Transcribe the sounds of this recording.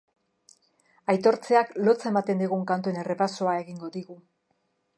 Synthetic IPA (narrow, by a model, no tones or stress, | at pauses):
ajt̪o̞ɾt͡se̞aklo̞t͡saemat̪e̞nd̪iɣ̞uŋkant̪ue̞ne̞re̞pasoae̞ɣiŋɡo̞ðiɣu